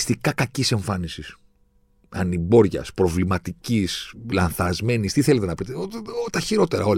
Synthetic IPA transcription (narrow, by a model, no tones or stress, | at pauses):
st̪ikɐkɐcise̞ɱfɐnisis | ɐ̰nibo̞ɾʝɐ̰spɾo̞vlimɐt̪icislɐnθɐzme̞nist̪iθele̞t̪e̞nɐpit̪eoot̪ɐçiɾot̪e̞ɾɐo̞l